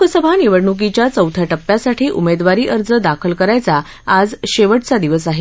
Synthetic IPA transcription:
ukʰəsəbʱaniʋəɽɳuk̬it͡ɕjat͡səwt̪ʰaʈəpːjasaʈʰiːʔumed̪ʋaɾiːʔəɾd͡zəd̪akʰəlkəɾajt͡saː | d͡zɕeʋəʈt͡sad̪iʋəsaɦe

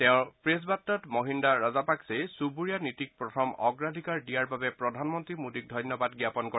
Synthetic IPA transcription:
tɛʊ̃pɹes̬batːɔtmɔɦindaɹazapaksesubuɹijanitik̚pɹɔtʰɔmɔɡɹadʱikaɹdijaɹbabɛpɹɔdʱanmɔntɹimudik̚dʱɔjnjɔbadɡjapɔnkɔ

